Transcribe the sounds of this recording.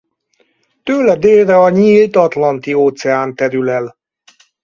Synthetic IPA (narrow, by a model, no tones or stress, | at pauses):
t̪øːlɛd̪eːlrɛɒɲiːlt̪ɒt̪lɒnt̪ioːt̪sɛaːnt̪ɛɾylɛl